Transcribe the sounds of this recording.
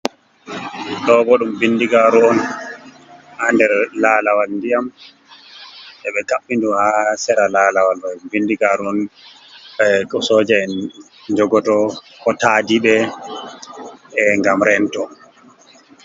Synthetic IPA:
ɗɔːbɔɗumbinːdiɡaːɾuɔn | handɛɾlaːlawalndijam | ʔɛɓɛkaɓːinduhasɛɾalaːlawalɔubindiɡaːɾuɔn | ɛkɔsoːd͡ʒɛɛn | d͡ʒɔɡɔtɔ | kɔtaːdiɓɛ | ŋɡamɾɛntɔ

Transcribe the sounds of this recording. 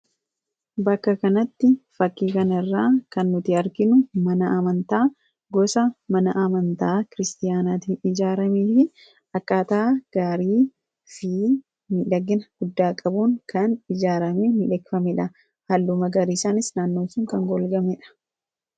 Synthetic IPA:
bɐkːɐkɐnɐt̪ːɪfɐkːiːkɐnɐɪrːaːkɐnːʊt̪ɪɐɾkɪnʊmɐnɐʔɐmɐnt̪aː | ɡɔsɐmɐnɐʔɐmɐnt̪aːkɪɾɪst̪ɪjaːnaːt̪iːnɪd͡ʒaːɾɐmeːfɪ | ɐkːaːt̪aɡ̥aːɾiː | fi | nɪᶑɐɡːɪnɐɡ̥ʊd̪ːaːkʼɐbuːŋkɐnɪd͡ʒaːɾɐmenɪᶑɛɡfɐmɛᶑɐ | hɐlːʊmɐɡɐɾiːsaːnɪsnaːnːo̞ːsʊŋkɐŋɡɔlɡɐmɛᶑɐ̥

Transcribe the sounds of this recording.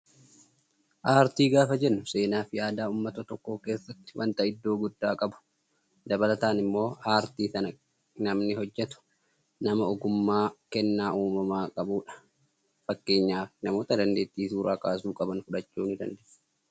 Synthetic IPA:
ʔaːɾt̪iːɡaːfɐd͡ʒɛnːʊse̞ːnaːfɪjaːd̪aːʊmːɐt̪ɐt̪ɔkːo̞ːke̞ːsːɐt̪ːɪ̥wʔɐ̰nt̪ɐɪd̪ːo̞ːɡʊd̪ːaːkʼɐbʊ̥ | d̪ɐbɐlɐt̪aːnɪmːo̞ːaːɾt̪iːsɐnɐ | nɐmnɪɦɔd͡ʒːɛt̪ʊ̥ | nɐmɐɔɡʊmːaːkɛnːaːʔuːmɐmaːkʼɐbuːᶑɐ̥ | fɐkːe̞ːɲːaːfɪnɐmo̞ːt̪ɐd̪ɐnd̪e̞ːt̪ːiːsuːɾaːkʼaːsuːkʼɐbɐnfʊᶑɐt͡ʃːuːnɪd̪ɐ̰nd̪eː

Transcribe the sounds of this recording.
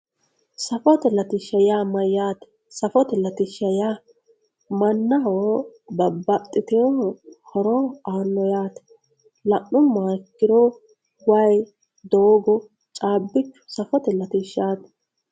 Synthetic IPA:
sɐfɔt̪ɛlɐt̪ɪʃɐjaːmɐjːaːt̪ɛ̥ | sɐfɔt̪ɛlɐt̪ɪʃɐjaː | mɐnːɐɦoːbɐbːɐt̪ʼːɪt̪ɛjohɔɾoːaːnːɔjaːt̪ɛ̥ | lɐʔʊmːaːkːɪɾo | wɐj | d̪oːɡɔ | t͡ʃʼaːbːɪt͡ʃːʊ̥sɐfɔt̪ɛlɐt̪ɪʃːaːt̪

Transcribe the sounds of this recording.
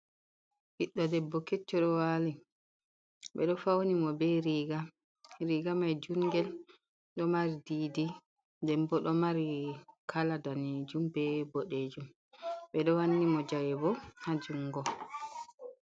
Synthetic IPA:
ʔiɗːɔdɛbːɔkɛt͡ʃːɔɗɔwali | ɓɛɗɔfawnimɔbɛɾiɡa | ɾiɡamajd͡ʒuŋɡɛl | ɗɔmaɾididi | dɛmbɔɗɔmaɾikʰaladaned͡ʒumbɛboɗeːd͡ʒum | ɓɛɗɔwanːimɔd͡ʒajɛbɔhad͡ʒuŋːɡɔ

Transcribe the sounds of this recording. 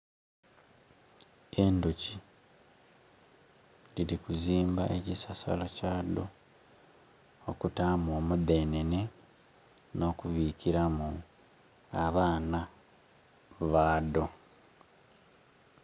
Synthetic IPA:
e̞ndoci | liɾikuziːmbaʔecisasa̰locaːd̪o̰ | okutaːmoːmuðe̞ːnene̞ | no̞kuβiːciɾamu | aβaːna | βaːdo̞

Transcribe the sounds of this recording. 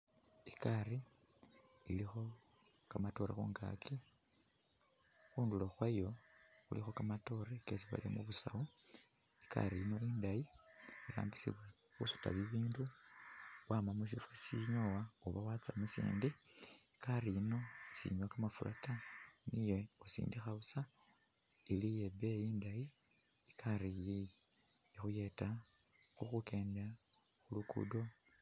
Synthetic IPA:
ikaɾi | ilixo̞ | kamato̞ɾaxṵːŋɡa̰kʰi | xuːnduloxwajo̞xṵlixo̞kamato̞ɾekes̬iβa̰lio̰muβusau | ika̰ɾiino̞iːndajiiɾa̰ːmbisḭβwa | xusu̥ta̰βiβiːndu | wamamus̬ifasiɲowaoβawat͡sa̰musḭːndiikaɾiino̞isḭɲwakamafula̰tanije̞osḭːndixausa | ilijebejindaji | ikʰaɾijij | ixuje̞ta | xuxuke̞ːnda | xulukṵdo̞

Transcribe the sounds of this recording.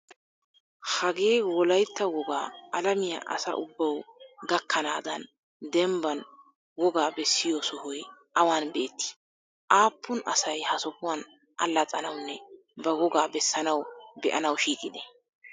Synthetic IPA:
hɐɡeːwɔlɐjt̪ːɐwɔɡaːʔɐlɐmɪjɐ̰ʔɐ̰sɐ̰ʔʊbːɐwɡɐkːɐnaːd̪ɐn | d̪ɛmbɐn | wɔɡaːbɛsːɪjosʊhɔjʔɐwaːnbe̞ːt̪ːɪ̥ | ʔaːpːʊnʔɐ̰sɐjhɐsɔpʊwan | ʔɐ̰lːɐt͡sʼɐnɐwnːɛ | bɐwɔɡaːbɛsːɐnɐwbɛ̰ʔɐnɐwʃiːkʼɪd̪ɛ

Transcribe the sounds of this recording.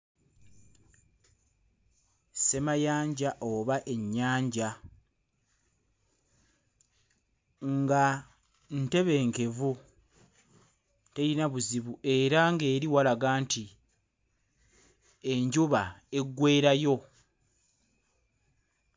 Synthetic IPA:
se̞majaːɲɟaʔo̞βaʔe̞ɲːaːɲɟa | ŋɡa | nte̞βe̞ːŋke̞vu | te̞ɾinaβuziβue̞ɾaŋɡe̞ːɾiwalaɡaːnti | e̞ɲɟuβae̞ɡːwe̞ːɾajo̞

